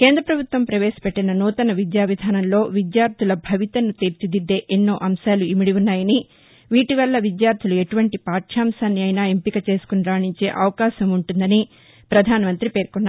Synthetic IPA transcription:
ke̞ːnd̪ɾɐpɾɐbʱut̪ʋɐmpɾɐʋe̞ːsɐ̥peʈːinɐnuːt̪ɐnɐʋid̪jaːʋid̪ʱaːnɐmlo̞ːʋid̪jaːɾt̪ʰilɐbʱɐʋit̪ɐnːut̪eːɾt͡ʃid̪id̪ːe̞ːʔenːo̞ːʔɐmʃaːluimiɽiunːaːjɐni | ʋiːʈiʋɐlːɐʋid̪jaːɾt̪ʰilue̞ʈuʋɐɳʈipaːʈʂaːmsaːnːiɐjnaːempikɐt͡ʃe̞ːsu̥kunɾaːɳiɲt͡ʃe̞ːʔɐʋɐkaːʃɐmuɳʈund̪ɐni | pɾɐd̪ʱaːnɐmɐnt̪ɾipe̞ːɾkunːaː

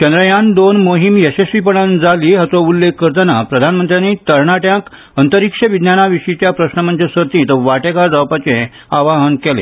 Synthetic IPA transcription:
kənd̪ɾəjand̪onmoɦimjesesʋipəɳ̃and͡zaliːɦat͡sɔulːekːəɾt̪anapɾəd̪ʱanmənt̪ɾjanit̪əɾɳaʈjãk | ənt̪əɾikʂəʋid̪njanaʋiʂit͡ɕjapɾəɕnəmənt͡ɕəsət̪ĩt̪əʋaʈekaɾd̪awpat͡ɕẽ | aʋaɦənkɛlḛ

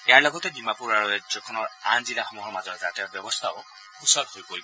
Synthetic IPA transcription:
ejaɹlɔɡɔtɛbimapuɹaɹuɛzɔkʰɔnɔɹanzilaxɔmɔɦɔɹmazɔɾɛtatɛbjɔbɔst̪ʰaʊ | usɔthojpoɹibɔ

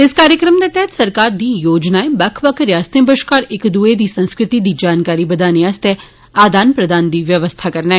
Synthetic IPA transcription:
ɪskaːɾjəkɾəmd̪et̪ɛɦt̪sɐɾkaːɾd̪iːjoːd͡ʒnaebɐkʰʋɐkɾjaːst̪ẽbəʃkaːɾɪkd̪uːed̪iːsɐ̃nskɾɪt̪id̪iːd͡ʒaːnkaːɾibɐd̪aːniast̪e | aːd̪ʱaːnpɾɐd̪ʱaːnd̪iːʋjɐʋəst̪ʰakɐɾnaɦɛ

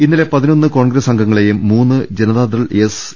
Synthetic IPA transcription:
inːile̞pɐðino̞nːɨko̞ːɳɡɾesɐŋɡʱɐŋːɐɭe̞jumːuːnːɨd͡ʑenɐðaːd̪rɐɭes

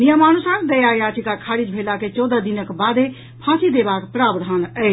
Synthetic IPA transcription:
nijəmanusaɾd̪əjajaʈʰikakʰaɾid͡ʒbʱelaket͡ʃɔd̪əd̪inəkbad̪e | pʰãsid̪ebakpɾabd̪ʱɦənəɪt͡ʃʰ

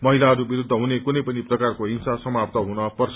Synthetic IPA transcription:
mʌɦilaɦʌɾubiɾud̪ʱːʌɦunekunʌjpʌniprʌkarkoinsasʌmap̚t̪ʌɦunʌpʌrsʰ

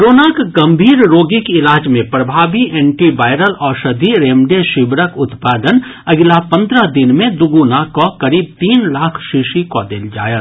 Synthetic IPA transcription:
ɾoːnakɡɐ̃mbʱiːɾɾoːɡikɪlaːd͡ʒmẽpɾɐbʱaːbiʔɛ̃ːɳʈiʋaːɪɾəlɔːɾʃɐd̪ʱiɾeːmɖeʃɪbɾəkʊt̪paːd̪ənɐɡlapɐ̃nd̪ɾəd̪ɪnmẽd̪ʊɡuːnakokɐɾiːb̚t̪iːnlaːkʰʃiʃikɔːd̪eld͡ʒa̰ːjaː

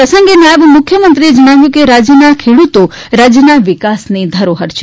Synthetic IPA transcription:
pɾəsəŋɡenaʋmʊkʰjəmənt̪ɾied͡ʒəɽ̃aʋjũkeɾad͡ʒjənakʰeɽut̪o | ɾad͡ʒjənaʋikasned̪ʱəɾoɦəɾʃe

